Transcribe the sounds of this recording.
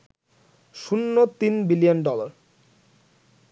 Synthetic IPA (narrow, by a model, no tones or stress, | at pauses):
ʃunːot̪inbilijonɖɔlaɾ